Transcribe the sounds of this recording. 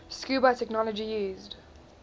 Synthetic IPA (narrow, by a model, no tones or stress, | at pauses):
skjuːbatʰɛknɔləd͡ʒijuːzd